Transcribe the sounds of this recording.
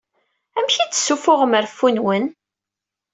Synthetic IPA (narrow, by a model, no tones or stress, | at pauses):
æmçit͡sːə̥sːufʊʁəməɾfːunwən